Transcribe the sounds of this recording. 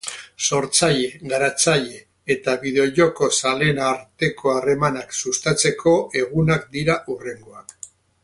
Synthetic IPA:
so̞ɾt͡saʎe̞ɣaɾat͡saʎe̞ː | t̪aβiðeoʎoko̞sale̞naːɾt̪e̞ko̞are̞manaksust̪at͡se̞kʰo̞e̞ɣ̞unakd̪iɾaʔure̞ŋɡo̞ak

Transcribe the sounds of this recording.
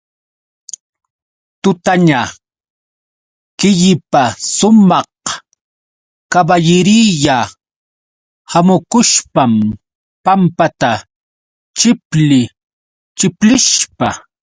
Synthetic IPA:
t̪ʊt̪aɲa | kɪʎɪpasʊmɑh | kabaʎɪɾiʎa | hamʊkʊʃpam | pampat̪a | t͡ʃɪplɪ | t͡ʃɪplɪʃpa

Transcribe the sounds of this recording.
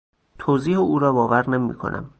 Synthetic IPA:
t̪ʰoːziːheuːɾɒːbɒːvæɾnemḭːkʰo̰nʔæ̰m

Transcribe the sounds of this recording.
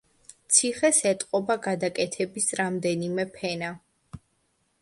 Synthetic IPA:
t̪sʰiχɛsɛt̪ʼqʼɔbaɡad̪akʼɛt̪ʰɛbisɾamd̪ɛnimɛpʰɛna

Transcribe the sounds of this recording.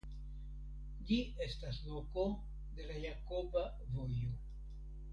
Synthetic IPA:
d͡ʒie̞staslo̞ko̞ | de̞lajakoba | vo̞jo

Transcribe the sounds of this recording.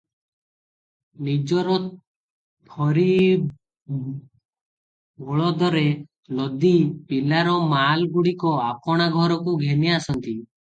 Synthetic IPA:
nid͡ʒɔɾɔ | b̪ʰʱɔɾi | bʱɔɭɔd̪ɔɾe | lɔd̪ipilaɾɔmalɡuɽikɔapɔɽ̃aɡʱɔɾɔkuɡʱeniasɔnt̪i

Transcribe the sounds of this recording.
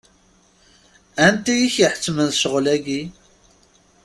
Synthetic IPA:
ænt̪æjiçjəħə̥t͡sːmənθʃəʁlæɡi

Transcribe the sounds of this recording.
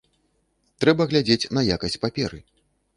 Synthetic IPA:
t̪ɾɛbɐɣlʲad͡zʲet͡sʲnɐjakɐsʲt͡sʲpapʲɛɾɨ

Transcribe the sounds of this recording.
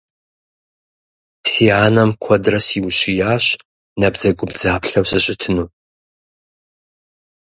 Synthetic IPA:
psiaːnɐmkʷʰɔdrɐsiwɕijaːɕ | nɐbzɐɡʷʊbzaːpɬɐwsɨɕʼɪtʰɨnuː

